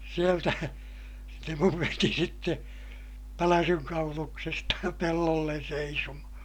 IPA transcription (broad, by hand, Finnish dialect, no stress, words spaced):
sieltæ se muʋ ʋeti sitːe pælæsyŋ kɑuluksestɑ pelːolːen seisomɑhɑ̃ː